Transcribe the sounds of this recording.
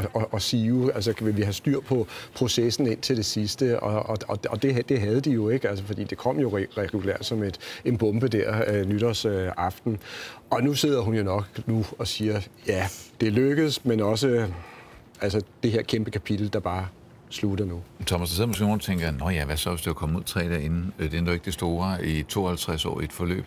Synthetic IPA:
ɒɒsiːuæls̬əkʰʋe̝ʋiɦæsd̥yɐ̰pʰɒ̽pʰʁo̝sesn̩e̝n̰t͡sʰe̝ld̥e̝sisd̥əɒɒɒ̽ɒd̥e̝ɦd̥e̝ɦæð̞ˠəd̥ijo̝e̝ɡ̥əælsəfɒ̽d̥ḭːd̥e̝kʰɒ̽m̰jo̝ʁɛɡulæ̰ɐ̰d̥sɒ̽me̝d̥e̝nb̥ɔ̽mb̥əd̥æɐ̰nyɾ̥ɐsøɑ̈fd̥n̩ʔɒ̽nuse̝ð̞̰ˠɐɦunjo̝nɒ̽ɡ̥nuɒ̽siːɐjæd̥e̝løɡ̥əð̩ˠsmenɒ̽s̬ə | ælsəd̥e̝he̝ɐ̰kʰemb̥əkʰæpʰid̥l̩d̥ɑ̈b̥ɑ̈ː | sluɾ̥ɐnut͡sʰɒmæsd̥ɑse̝ð̰ˠmosɡ̥e̝ːnoːnt͡sʰeŋɡ̥ɐnɒ̽jæʋæsɒ̽ʋesd̥e̝ækʰɒ̽muð̰ˠt͡sʰʁɛ̰ːd̥æɐe̝nn̩d̥end̥ɒe̝ɡ̥d̥esd̥o̝̰ːɑit͡sʰo̝̰ːɒhælt͡sʰʁasɒ̰ːied̥fɒ̽lø̰ːb̥

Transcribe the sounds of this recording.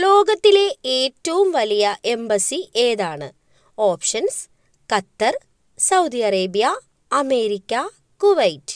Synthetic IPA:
lo̞ːɡɐt̪ːile̞eːtːɐʋumʋɐlijɐʔe̞mbɐsiʔeːðaːɳɨ | oːpʂɐns | kɐt̪ːɐr | sɐwd̪iɐɾeːbijɐ | ɐme̞ːɾikʲːɐ | kuʋɐjtːɨ̥

